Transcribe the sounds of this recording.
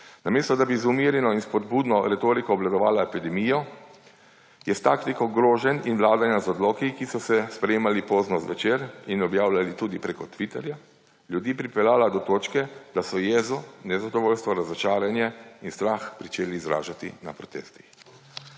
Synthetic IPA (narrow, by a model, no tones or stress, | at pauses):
nameːst̪ɔd̪abizumiɾjɛnɔinspɔd̪buːd̪nɔɾɛt̪oːɾikɔːblad̪ɔʋaːlaepid̪ɛmiːjɔ | jɛst̪akt̪ikɔɡɾoːʒɛninʋlaːd̪anjazɔd̪lɔːkikisɔsɛspɾɛjeːmalipoːznɔzʋɛt͡ʃeːɾinɔbjaːwlʲalit̪uːd̪ipɾeːkɔt̪ʋit̪ɛɾja | lʲjud̪iːpɾipɛlaːlad̪ɔt̪oːt͡ʃkɛd̪̥asɔjɛzɔnɛzad̪ɔʋoːlst̪ʋɔɾazɔt͡ʃaːɾjanjɛinst̪ɾaːxpɾit͡ʃeːliːzɾa̰ːʒat̪ḭna̰pɾɔt̪ḛːst̪i̥x